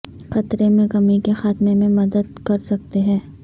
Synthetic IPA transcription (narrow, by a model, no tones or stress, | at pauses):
xɐt̪ɾemẽkɐmikexaːt̪memẽmɐd̪əd̪̚kɐɾsɐk̚t̪eɦɛ̃ː